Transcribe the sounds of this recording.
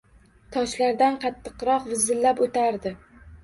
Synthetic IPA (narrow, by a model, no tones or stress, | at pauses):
t̪ʰɒʃlaɾd̪anqʰɑt̪ʰːɨ̥qɾɒqvɪzːɪlːapot̪ʰaɾd̪ɪ